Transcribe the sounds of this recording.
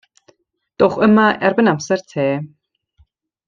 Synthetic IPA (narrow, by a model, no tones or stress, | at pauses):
d̪̥oχəmaʔɛrbənamsɛrtʰeː